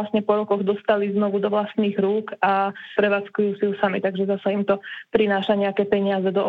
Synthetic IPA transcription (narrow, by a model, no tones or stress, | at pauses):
lasɲɛpɔɾɔkɔɣd̪ɔst̪aliznɔʋud̪ɔʋlast̪niːɣɾuːkapɾɛʋaːt͡skujuːsijusamit̪aɡʒɛzasaimt̪ɔpɾinaːʃaɲɛakɛːpɛɲɪazɛd̪ɔʔ